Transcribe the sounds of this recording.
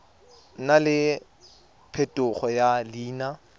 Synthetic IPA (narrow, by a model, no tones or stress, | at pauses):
nalɪ | pʰetʼʊχɔjaliːna